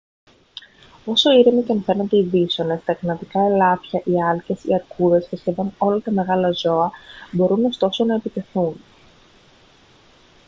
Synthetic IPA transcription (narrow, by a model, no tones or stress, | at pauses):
o̞so̞iɾemiceɐnfe̞nend̪e̞iðiso̞ne̞st̪ɐknɐt̪ikɐe̞lɐfçɐʔiɐlce̞sḭɐɾkuðe̞sfesçeðo̞no̞lɐt̪ɐme̞ɣɐlɐzo̞ɐbo̞ɾuno̞st̪o̞so̞nɐe̞pit̪e̞θun